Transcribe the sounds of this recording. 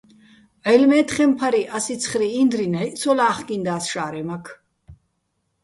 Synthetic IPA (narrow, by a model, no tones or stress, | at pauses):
ʕɛlmɛːt̪χɛmpʰaɾiʔasit͡sʰχɾiːnd̪ɾinhɛʔsʰɔlaːχkind̪aːsʃaːɾɛmakʰ